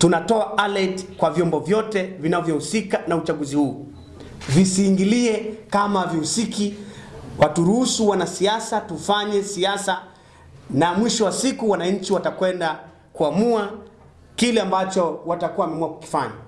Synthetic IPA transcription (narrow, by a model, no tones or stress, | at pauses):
tunatɔaʔalɛtkwavjɔmbɔvjɔtɛvinavjɔhusikanaut͡ʃaɠuzihuː | visiːŋɡiliɛkamavihusikiwatuɾuhusuwanasiasatufaɲɛsiasa | namwiʃɔwasikuwanaɲ̩t͡ʃiwatakwɛnda | kuamua | kilɛambat͡ʃɔwatakuawamɛmuaku̥ki̥faɲa